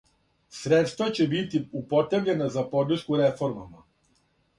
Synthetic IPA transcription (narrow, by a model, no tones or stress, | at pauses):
sɾet̪st̪ʋat͡ɕe̞bit̪iupo̞t̪evʎenazapo̞d̪r̩ʃkuɾefo̞ɾma̰ma